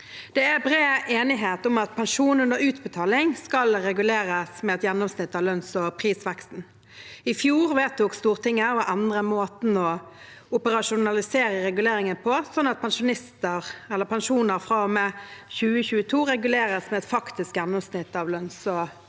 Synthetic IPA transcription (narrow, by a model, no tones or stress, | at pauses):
d̪̥ɛæbʁeːʔeːnɪɦeːt̪ʊmɑt̪̚pʰɛnʂuːnənd̪əʉːt̪bət̪ʰɑːlɪŋskɑlɾɛɡʉleːʁəsmɛɛt̪jɛnːʊmsnɪt̪ːɑʋlœnsɔpʰʁiːsʋɛkst̪n̩ | ɪfjuːʁʋeːt̪̚uːkst̪uːʁt̪ʰɪŋːəɔʔænd̪ʁəmoːt̪n̩ɔʊpəʁɑʂʊnɑlɪseːʁəɾɛɡʉleːɾɪŋənpʰɔsɔnːɑt̪̚pʰɛnʂʊnɪst̪əʁɛlːəʁpʰɛnʂuːnəʁfʁɑːɔmɛçʉːəçʉːət̪ʰuːɾɛɡʉleːɾəsmɛɛt̪fɑkt̪ɪskjɛnːʊmsnɪt̪ːɑʋlœnsɔ